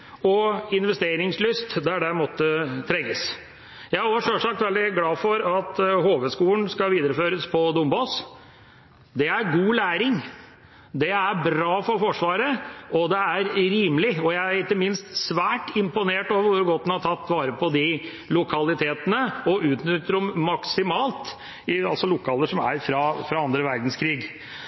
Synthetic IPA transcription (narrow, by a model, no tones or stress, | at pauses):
ɔɪnʋɛst̪eːɾɪŋslʏst̪d̪æɖɛmɔt̪ːət̪ʰɾɛŋːəs | jæɪæɔʂœʂɑk̚t̪ʋɛld̪ɪɡlɑːfɔɾɑt̪hoːʋəskuːlənskɑʋiːd̪əɾəføːɾəspʰɔd̪ʊmbos | d̪ɛæɾɡuːlæːɾɪŋ | d̪ɛæɾbɾɑːfɔɾfɔʂʋɑːɾəʔɔd̪ɛæɾɾiːmlɪɔjæɪæɾɪkːəmɪnst̪sʋæːʈɪmpʊneːʈoːʋəɾʋʊɾɡɔt̪ːnhɑʈʰɑt̪ːʋɑːɾəpʰɔd̪ɪ | lʊkʰɑlɪt̪ʰeːt̪ənəɔʔʉːt̪nʏt̪ːəɾɔmːɑksɪmɑːlt̪ | ɪɑlsɔlʊkʰːɑːləʂɔmæ̰ɾfɾɑfɾɑɑnd̪ɾəʋæɾd̪n̩skʰɾiːɡ